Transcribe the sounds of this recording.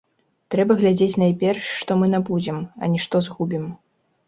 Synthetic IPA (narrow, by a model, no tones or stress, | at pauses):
t̪ɾɛbɐɣlʲad͡zʲet͡sʲnajpʲɛrʂːt̪ɔmɨnabud͡zʲɛmɐ̰nʲiʂt̪ɔzɣubʲim